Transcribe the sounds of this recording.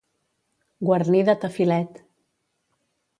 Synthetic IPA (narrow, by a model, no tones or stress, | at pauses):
ɡwəɾniðət̪əfilɛt̪